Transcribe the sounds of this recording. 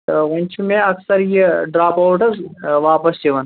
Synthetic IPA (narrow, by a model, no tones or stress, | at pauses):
ɣɐnʲt͡ʃʰumẽɐksɐɾjeɖɾaːpaːʈɐzʋaːpɐst͡ʃiʋɐn